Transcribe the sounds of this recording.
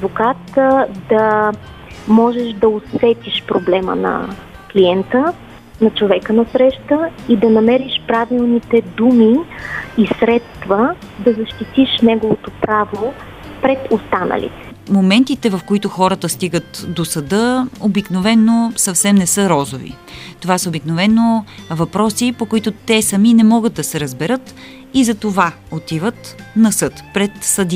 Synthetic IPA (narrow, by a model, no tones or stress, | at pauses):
d̪vokat̪d̪ɐ | mɔʒɛʃd̪ɐosvɛt̪iʃpɾoblɛmə̰nɐ̰ | kliɛnt̪ə | nɐt͡ʃovɛkənɐsɾɛʃt̪əid̪ɐnɐmɛɾiʃpɾavilˠnit̪ɛd̪umiisɾɛt̪st̪və | d̪ɐzɐʃt̪it̪iʃnɛɡovot̪opɾavo | pɾɛt̪ost̪anə̰lḭt̪ɛ̥momɛnt̪it̪ɛvɐfkoit̪oxɔɾət̪əst̪iɡət̪d̪osɐd̪ɤobiknovɛnːosɐfsɛmnɛsɤɾɔzovḭ | t̪ovasəobiknovɛnovɐpɾɔsipokoit̪ot̪ɛsɐminɛmɔɡət̪̚d̪ɐsɛɾəzbɛɾɤt̪ | izɐt̪ova | ot̪ivət̪nɐsɤt̪pɾɛt̪sɐd̪i